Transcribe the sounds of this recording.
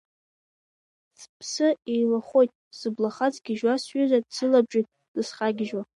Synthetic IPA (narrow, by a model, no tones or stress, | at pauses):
spʰsɨejlaχo̞jtʼsɨblaχat͡sʼɡʲɪʒwasɥʏzadsɨlabʒʼijtʼ | d̥ɨsχaɡʲɪʒwa